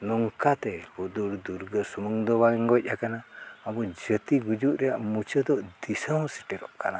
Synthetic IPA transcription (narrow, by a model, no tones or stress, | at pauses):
nɔŋkat̪ɛhud̪uɽd̪uɾɡəsumuŋd̪ɔbaɛŋɡɔc̚ˀakanaːbud͡ʒət̪iɡud͡ʒuʔɾɛjaʔmut͡ʃəd̪ɔʔd̪isawsi̥ʈɛɾɔʔkana